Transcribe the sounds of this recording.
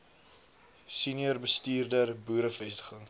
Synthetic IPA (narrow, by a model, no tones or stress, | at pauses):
siniərbəstiːrdərbuːɾəfɛstə̥χəŋ